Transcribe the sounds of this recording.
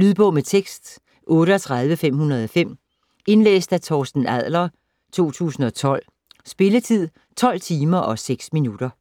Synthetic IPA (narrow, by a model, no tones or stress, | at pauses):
lyðˠb̥ɔ̽ʊ̰met͡sʰeɡ̥sd̥ | ʔɔ̽ːɾəɒ̽t͡sʰʁɑ̈ð̞ˠʋəfem̰hunɐð̞̩ˠɒ̽fem̰ | e̝nlḛːsd̥æt͡sʰɒːsd̥n̩æð̰ˠlɐ | t͡sʰo̝̰ːt͡sʰṵːsn̩ɒ̽t͡sʰɒ̽l̰ | sb̥e̝lət͡sʰið̰ˠ | t͡sʰɒ̽l̰t͡sʰiːmɐʔɒ̽seɡ̥sminuɾ̥ɐ